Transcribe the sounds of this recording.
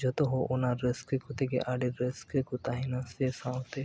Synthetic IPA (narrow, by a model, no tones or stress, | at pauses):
d͡ʒɔt̪oɦoʔonaɾːeskekut̪ʰekḛʔaɖiɾːeskekut̪aɦinasesãwt̪e